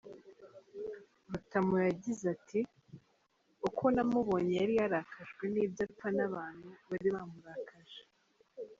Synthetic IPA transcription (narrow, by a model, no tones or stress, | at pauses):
βatamujaɟizati | ukʰonamuβo̞ɲejaɾijaɾakaʒɡwe̞niːbjapanaβaːn̥huβaɾiβamuɾakaʒe